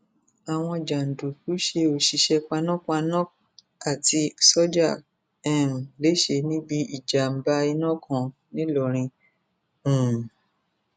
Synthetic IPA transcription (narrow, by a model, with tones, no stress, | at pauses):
a˨w̃ɔ̃˧d͡ʒa˨n̩˨du˨ku˨˦ʃe˧o˨ʃi˧ʃɛ˧k͡pa˧nɔ̃˦ka˧nɔ̃˦ | a˦˨ti˧sɔ˦d͡ʒa˦˨ | ɛ̃˦˨m̩˨le˨˦ʃe˧nĩ˦bi˦i˦˨d͡ʒa˨m̩˦ba˦i˧nã˦kʰɔ̃˧ | nĩ˦lɔ˨ɾ̃ĩ˧ | ũ˨